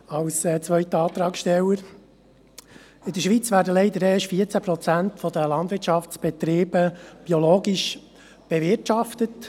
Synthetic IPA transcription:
ɑwsɛːt͡sʋœʏt̪əɑːt̪ɾɑːksʃtɛləɾ | ɪd̪əʃʋit͡sʋæːɾdəlɛɪd̪əɾɛːʃfiːət͡sæpɾɔt͡sænt̪fɔd̪əlɑnd̪ʋɪt͡ʃɑft͡sb̥ɛt̪ɾiːbəb̥ioloːɡiʃ | b̥ɛʋɪtʃɑft̪ət̪

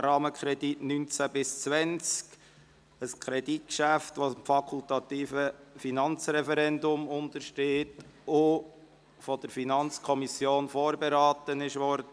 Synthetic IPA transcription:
ɾɑːməkʰχɾɛd̥itnynt͡sæbɪst͡sʋɛnt͡sk | əskʰɾɛdit̚kʃæft̪ʋosmfɑkʰult̪ɑt̪iːfəfinɑnt͡sɾɛfɛɾɛnd̪ʊmʊnt̪əɾʃteːtʊ | fɔd̥̪əɾfinɑnt͡skʰɔmisjoːnfɔːɾbeɾɑːt̪ənɪʃʋɔɾdə

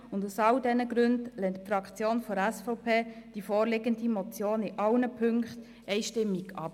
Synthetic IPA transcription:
ʊndusɑldɛnəɡɾʉndlɛntfɾɑkt͡sjoːnfɔɾɛsfɔpʰeːd̥ifɔːɾlɪɡəndimɔt͡sjoːnɪʔɑlnəpʰʏŋkχt̪ | ɛɪʃtɪmːiɡ̥ɑ̰p

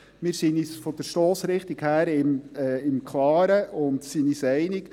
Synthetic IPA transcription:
mɪɾsinisfɔd̥əɾʃtoːsɾɪχt̪ikhæːɾɪmɛːɪmkʰlɑːɾəʊntsinisɛɪnɪk

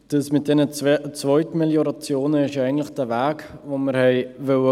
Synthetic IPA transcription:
d̥əsmɪt̚d̥ɛnət͡svɔʏtmeljɔɾɑt͡sjoːnəɪʃjɛɪɡən̩tlɪχd̥ævæːkvoməɾhɛɪvœə

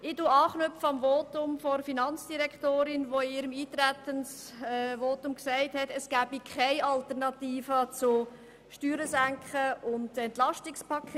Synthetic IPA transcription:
ɪduːɑːχnœpfəɑmvoːtʊmfɔfinɑnt͡sd̥iɾɛktoːɾɪnʋoɪiːɾəmiːt̪ɾæt̪əns | voːtʊmksæɪthɛtəsɡ̥æːbikʰχaɪɑltəɾnɑtiːfət͡sʊ | ʃtyːɾəsæŋkχəʊndɛntlɑʃtɪkspʰɑkʰe

